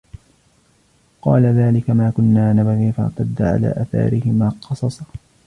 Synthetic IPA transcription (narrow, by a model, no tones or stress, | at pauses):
qɑːlaðaːlɪkamaːkʊnːaːnabaɣiːfa̰ʕt̪ad̪ːaʕa̰la̰ːʔaːθa̰ːɾɪhɪmaːqɑsˤɑsˤɑ̥